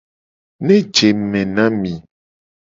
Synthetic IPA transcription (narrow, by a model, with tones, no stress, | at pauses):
nẽ˦d͡ʒe˨mɛ̃˨nã˦mĩ˨